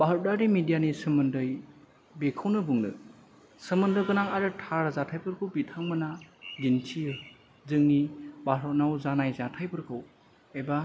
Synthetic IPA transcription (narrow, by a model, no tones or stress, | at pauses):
baɦɾdaɾimidijanisɯmɯndɯj | bekʰɯwnɯbuŋnɯ | sɯmɯndɯkɯnaŋaɾɯtʰaɾzatʰajpʰɯɾkʰɯwbitʰaŋmɯnaɡintʰijɯ | zɯŋnibaɦɾɔnawzanajzatʰajpʰɯɾkʰɯw | eba